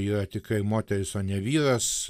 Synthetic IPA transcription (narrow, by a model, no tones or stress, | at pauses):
iːrɐt̪ʲɪkɐɪmoːt̪ʲɛɾʲɪsoːnʲɛʋʲiːɾɐs